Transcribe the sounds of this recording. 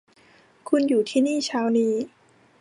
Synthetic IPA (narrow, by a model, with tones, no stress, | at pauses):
kʰu˧njuː˨˩t̪ʰiː˥˩niː˥˩t͡ɕʰaː˦˥wniː˥˩